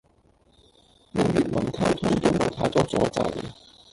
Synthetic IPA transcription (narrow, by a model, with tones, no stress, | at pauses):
mi˨˧jyː˨t̚mɐ˨˩nt̪ʰɐ˥wt̪ʰʊ˥ŋt̪o˥wmɐ˨˩wt̪ʰaː˨˥t͡sɔː˧t͡sɔː˨˥t͡sɐ̰˧j